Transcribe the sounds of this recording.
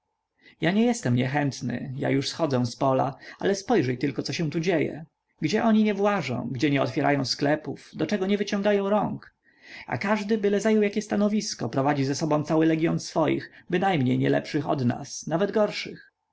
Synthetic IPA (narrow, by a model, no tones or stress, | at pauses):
jaɲɛjɛst̪ɛmɲɛxɛnt̪nɘ̰ja̰juʂsxɔd̪zɛ̃spɔla̰a̰lɛspɔjʐɛjt̪ɘlkɔt̪sɔɕɛ̃w̃t̪ud͡ʑejɛ̰ | ɡd͡ʑɛʔɔɲiɲɛvwaʐɔ̰̃w̃ɡd͡ʑɛɲɛɔ̰t̪fʲjɛɾʔajɔ̃w̃sklɛpuvd̪ɔt͡ʂɛɡɔɲɛvɘt͡ɕɔ̃ŋɡajɔ̃w̃ɾɔŋk | a̰kaʐd̪ɘbɘlɛzajɔwjakʲɛst̪anɔvʲiskɔpɾɔvad͡ʑizɛsɔbɔ̃t̪sawɘlɛɡʲjɔnsfɔjḭxbɘnajmɲejɲɛ̰lɛ̰pʂɘxɔ̰d̪na̰snavɛd̪ɡɔɾʂɘx